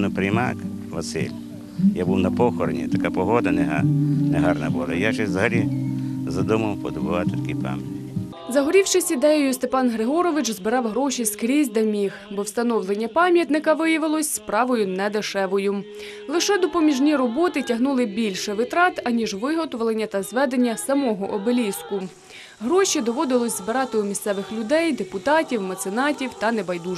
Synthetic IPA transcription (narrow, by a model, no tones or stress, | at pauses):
nʊpɾʲɪjmɑ̰kʋɐsɪ̰lʲ | jabuwnɐpɔxɔɾnʲḭt̪ɐkapɔɦɔd̪ɐnɛɦnɛɦɑrnɐ̰bulˠɐ̰jat͡ʃɛzɐɦɐlʲizɐd̪ʊmɐwpɔd̪ɔbʊʋɑt̪ɪt̪ɐ̥kʲijpɑ̰mʲjɐt̪ʲ | zɐɦɔɾʲiwʃɪsʲid̪ɛjɔjʊst̪epɑnɦɾɪɦɔɾɔʋɪt͡ʃzbɪɾɑwɦɾɔʃʲiskɾʲizʲd̪ɐmʲixbɔwst̪ɐnɔwlˠenʲːɐpɑmʲjɐt̪nɪkɐʋɪjɐʋɪlˠɔsʲspɾɑʋɔjʊnɛd̪ɪʃɛʋɔjʊ | lˠɪʃɛd̪ɔpɔmʲiʒnʲiɾɔbɔt̪ɪtʲɐɦnulˠɪbʲilʲʃɛʋɪt̪ɾɑt̪ɐnʲiʒʋɪɦɔt̪ɔʋlˠenʲːɐt̪ɐzʋɛd̪enʲːɐsɐmɔɦɔʔɔbelʲiskʊ | ɦɾɔʃid̪ɔʋɔd̪ɪlˠɔsʲzbɪɾɑt̪ɪumʲissɛʋɪxlʲʊd̪ɛjd̪epʊt̪ɑtʲiwmɐt̪senɑtʲiwt̪ɐnebɐjd̪u